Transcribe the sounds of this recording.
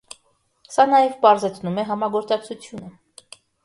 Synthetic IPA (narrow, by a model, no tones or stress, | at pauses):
sɑnɑjɛvpɑɾzɛt͡sʰnumɛɦɑmɑɡɔɾt͡sɑk̚t͡sʰut͡sʰjunə